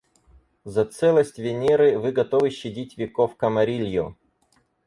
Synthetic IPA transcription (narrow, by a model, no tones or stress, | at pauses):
zɐt̪sɛlˠəsʲtʲvʲɪnʲeɾɨvɨɡɐt̪ovɨɕːɪdʲitʲvʲɪkofkəmɐɾʲilʲjʊ